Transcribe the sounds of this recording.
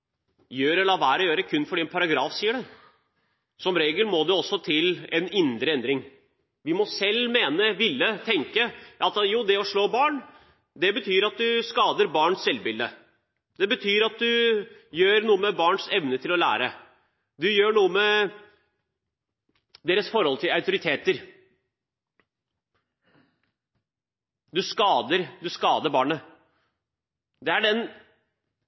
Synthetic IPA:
jøːɾɛlɑːʋæːɾɔjøːɾəkʰʉnːfɔɖɪnpʰɑɾɑɡɾɑːfsiːəɖɛ | sɔmɾeːɡəlmɔd̪ʉɔsːɔt̪ʰɪlɛnɪnd̪ɾəɛnd̪ɾɪŋ | ʋɪmɔsɛlːmeːnəʋɪlːət̪ʰɛŋkəʔɑt̪juːd̪ɛɔʂɭoːbɑːɳ | d̪ɛbət̪ʰyːɾɑt̪̚d̪ʉskɑːd̪əɾbɑːɳssɛlbɪld̪ə | d̪̥ɛbət̪ʰyːɾɑt̪̚d̪ʉjøːɾnuːəmɛbɑːɳsɛʋnət̪ʰɪlɔlæ̰ːɾə | d̪ʉjøːɳuːəmɛ | d̪eːɾəsfɔɾhɔlt̪ʰɪlɑʉt̪ʊɾɪt̪ʰeːt̪əɾ | d̪ʉskɑːd̪əɾd̪ʉskɑːd̪əɾbɑːɳə | d̪ɛæɖɛn

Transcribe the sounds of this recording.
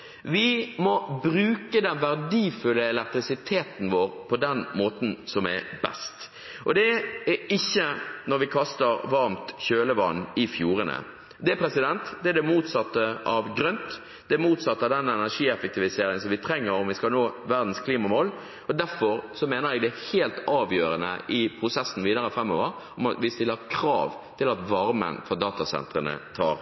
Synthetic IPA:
ʋɪmɔbɾʉːkəd̪ɛnʋæʁd̪iːfʉlːəɛlɛk̚t̪ɾɪsɪt̪ʰeːt̪n̩ʋoːʁpʰɔd̪ɛnmoːt̪n̩sɔmɛ̰bɛ̰st̪ | ʔɔd̪ɛɛɪçːənɔɾʋɪkʰɑst̪əɾʋɑɾmt̪çøːləʋɑ̰nːɪfjuːɾənə̰ | d̪ɛæpʰɾɛsɪd̪ɛnt̪d̪ɛæd̪ɛmuːt̪sɑt̪ːəʔɑʋɡɾœnt̪ | d̪ɛæmuːt̪sɑt̪ːəɑʋd̪ɛnːɛnæʂiːɛfək̚t̪ɪʋɪseːɾɪŋən̩sɔmʋɪt̪ʰɾɛŋːəɾɔmʋɪskɑlnoːʋæʁd̪n̩skʰliːmɑmoːl | ɔd̪æɾfɔɾsɔmeːnəɾɛɡ̚d̪ɛːheːlt̪ɑːʋjøːɾənə̰ʔɪpʰɾʊsɛsːn̩ʋiːd̪ɑɾəfɾɛmːo̰ːʋəɾ | ɔmɑ̰t̪ʋɪst̪ɪlːəɾkʰɾɑ̰ːʋ | t̪ʰɪlɑt̪ʋɑɾmə̰nfɔʁd̪ɑːt̪ɑsɛ̰nt̪ɾənə̰t̪ʰɑ̰ːɾ

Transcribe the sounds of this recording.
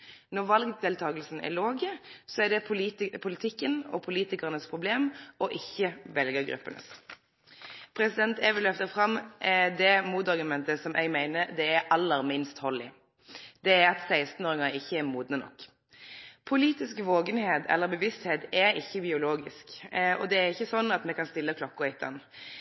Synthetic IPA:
nɔʁʋɑlɡd̪eːlt̪ʰɑːɡəlsn̩ɛ̰loːɡəsɔæɖɛpʰʊlɪt̪ʰɪkːənɔ̰pʰʊliːt̪ɪkəʁənəspʰʁʊbleːmʔɔʔɪçːəʋɛlɡəɾɡɾʉ̰pːənə̰s | pʰɾɛsɪd̪ɛnt̪ɛʋəlœft̪əfʁɑmʔɛd̪ɛmuːt̪ɑɾɡʉmɛnt̪əsɔmʔɛ̰ɡmæɪnəɾd̪ɛæɾʔɑlːəɾmɪnst̪hɔlːɪ | d̪̥ɛːɾɑt̪sæɪst̪n̩ɔːɾɪŋɑnɪçːəæɾmuːd̪nənɔ̰kː | pʰʊliːt̪ɪskʋoːɡənheːt̪ʰɛ̰lːəɾbɛʋɪst̪heːt̪ɛɾɪçːəbɪʊloːɡɪskɔ̰d̪ɛːɾɪçːəsɔnːɑt̪mɛkɑnst̪ɪlːəkʰlɔkːʊɛɪt̪ʰə̰n

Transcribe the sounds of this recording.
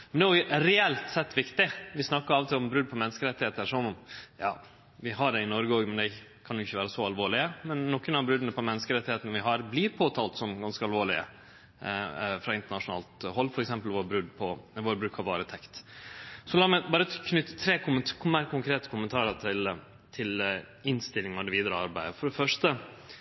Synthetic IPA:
mmɛnd̪ɛɑjʊɾɛɛlt̪sɛt̪ːʋɪkt̪ɪʋɪsnɑkːəɾɑːʋɔt̪ʰɪlɔmbɾʉd̪̚pʰɔmɛnːəskəɾɛt̪ːɪheːt̪əɾʂɔnɔmjɑ̰ː | ʋɪɦɑɖɛɪnɔɾɡəoːɡmɛnd̪ɛ | kʰɑnjʊɪçːəʋæːɾəsɔɑlʋoːɭɪəmɛnːɔkːənɑʋbɾʉd̪ənəpʰɔmɛnːəskəɾɛt̪ːɪheːt̪ənəʋɪɦɑɾblɪɾpʰoːt̪ʰɑːlt̪sɔmɡɑnskəɑlʋoːɭɪə̰ | fɾɑɪnt̪əɳɑʂʊnɑ̰ːlt̪ɦɔlːfɔɾɛksɛmpəlʋoːɾbɾʉd̪pʰɔʋoːɾbɾʉːkʰɑɾʋɑːɾət̪ʰɛkt̪ | sɔlɑːmæɪbɑːɾəkʰnʏt̪ːə̥t̪ʰɾeːkʊməkʰmæɾkʰʊŋkʰɾeːt̪ə̥kʰʊmənt̪ʰɑːɾət̪ʰɪl | t̪ʰɪl | ɪnst̪ɪlɪŋɑʋd̪ɛʋiːd̪əɾəɑɾbæɪd̪əfɔɖɛfœʂt̪ə

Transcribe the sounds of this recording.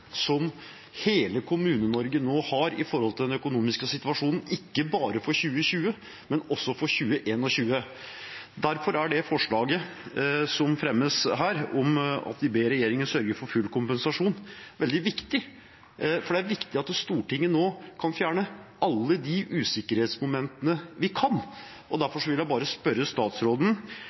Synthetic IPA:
sɔm | heːləkʰʊmʉːnənɔɾɡənoːhɑɾɪ̰fɔɾhɔlt̪ɪld̪ɛnœkʊnuːmɪskəsɪt̪ʋɑʂuːnən̩ɪkːəbɑːɾəfɔɾɕʉːəɕʉːə | mɛnɔsːɔfɔɾçʉːəʔeːnɔɕʉːə | d̪æɾfɔɾæɖɛfɔʂɭɑːɡə | sɔmfɾɛmːəsɦæːɾɔmɑ̰t̪ʋ̪ɪbeːɾɛjeːɾɪŋənsœɾɡəɾfɔɾfʉlːkʰʊmpɛnsɑʂuːnʋɛld̪ɪʋɪkt̪ɪ | fɔɖɛæɾʋɪkt̪ɪɑt̪ːst̪uːʈɪŋːənoːkʰɑnfjæːɳəʔɑlːəd̪iʔʉːsɪkːəɾheːt̪smʊmɛnt̪ənəʋɪkʰɑn | ʔɔd̪æɾfɔʂɔʋɪljæɪbɑːɾəspœɾəst̪ɑːt̪sɾoːd̪n̩

